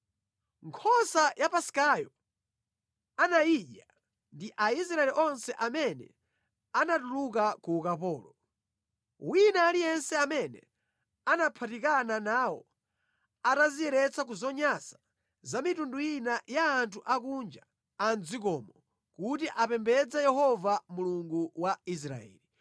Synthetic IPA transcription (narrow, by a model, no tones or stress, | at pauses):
ŋkʰɔsajapasi̥kajɔ | anaiʄa | ndiʔais̬ɾaɛliʔɔnsɛʔamɛnɛ̰ | anatuluk̬akuːkapɔːlɔ | winaːlijɛnsɛamɛnɛ̰ | anapʰatikananaːwɔ̰ | atazijɛɾɛt͡sak̬uzɔɲasḁ | zamitundujinajaːntʰuʔakuːnd͡ʒa | and͡zikɔmɔ | kutiʔapɛmbɛd͡zɛjɛhɔvamuluŋɡuwais̬ɾa̰ɛ̰ːli